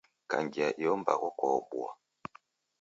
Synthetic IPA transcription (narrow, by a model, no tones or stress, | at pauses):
ka̰ŋɡiaʔijɔmba̰kɔkɔbwa